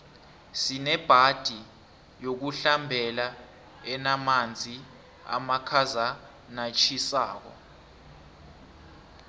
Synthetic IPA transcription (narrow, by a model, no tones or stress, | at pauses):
sinɛb̥ʱad̥ʱi | jok̬uɬambʱɛla | ɛnamand͡zʱi | a̰makʰaza | nat͡ʃʰisaːk̬ɔ̰